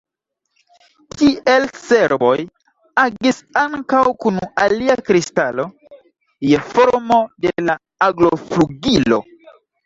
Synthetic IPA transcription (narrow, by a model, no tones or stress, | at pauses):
tiʔe̞lse̞ɾbo̞̰j | aɡisaŋkawkunaliakɾistalo̞ | jefoɾmo̞delaː | ɡlofluɡilo̞̰